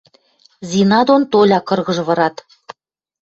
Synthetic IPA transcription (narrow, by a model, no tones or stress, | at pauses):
zʲinɑd̪ont̪olʲɑkɤ̆rɣɤ̆ʒ̆βɤ̆ɾɑt̪